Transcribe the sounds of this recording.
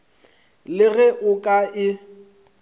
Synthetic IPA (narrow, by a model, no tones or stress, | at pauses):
lɪɣɛʔʊkʼaʔɪ